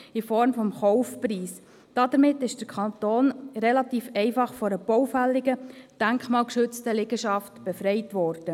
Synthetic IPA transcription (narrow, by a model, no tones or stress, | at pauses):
ɪfɔɾmfɔmχɔʊfpɾiːs | d̥ɑd̥̪əɾmɪtːɪʃd̥əɾkʰɑnt̪oːnɾelɑtiːfɛɪfɑχfɔɾəb̥ɔwfælːɪɡəd̥æŋkχmɑːlkʃʏt͡stəlɪɡəʃɑftb̥efɾɛɪtʋɔːɾd̥ə